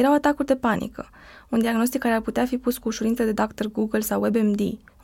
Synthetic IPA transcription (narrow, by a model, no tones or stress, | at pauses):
eɾawat̪akurd̪e̞panʔḭkə̰ | und̪iaɡno̞s̬t̪ikːaɾe̞arput̪eafipuskuːʃuɾint̪əd̪e̞d̪akt̪erɡuɡəlsawebemd̪ḭ